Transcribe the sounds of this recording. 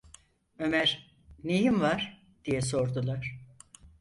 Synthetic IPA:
ø̞mæɾ | nejimvaɾ | d̪̥ijɛs̬o̞ɾd̪ulˠaɾ̥

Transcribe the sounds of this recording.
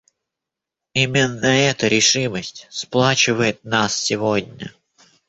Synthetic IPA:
imʲɪnːəɛt̪əɾʲɪʂɨməsʲtʲsplˠat͡ɕɪvəjɪt̪̚nassʲɪvodʲnʲə̰

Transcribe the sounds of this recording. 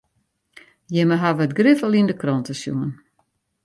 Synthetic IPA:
jɛməɦaʋəətɡrɪfəlˠindəkrɔntəsjṵən

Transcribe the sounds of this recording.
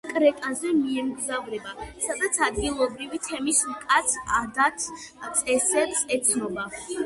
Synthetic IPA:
kʼɾɛt̪ʼazɛmiɛmɡzavɾɛbasad̪at̪sʰad̪ɡilˠɔbɾivit̪ʰɛmismkʼat̪sʰad̪at̪ʰt̪sʼɛsɛbsɛt̪sʰnɔba

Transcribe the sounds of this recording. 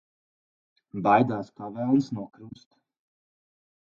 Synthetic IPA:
bajd̪aːspavɛlˠnsnuɔkɾust̪

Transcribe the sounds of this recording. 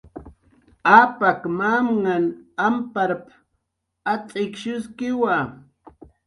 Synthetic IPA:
apakmamŋanampaɾp | at͡sʼɪkʃʊskɪwa

